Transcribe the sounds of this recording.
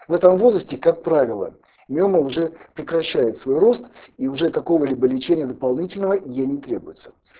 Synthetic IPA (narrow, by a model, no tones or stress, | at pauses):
vɛt̪əmvo̞zɾəsʲtʲɪkak̚pɾavʲɪlˠə̰ | mʲoməʊʐɛpɾʲɪkɾɐɕːæjɪt̪svo̞jro̞st̪iʊʐɛk̪ɐko̞vəlʲibəlʲɪt͡ɕenʲɪjəd̪əpɐlˠnʲitʲɪlʲnəvəjenʲɪt̪ɾʲebʊjɪt̪sə̥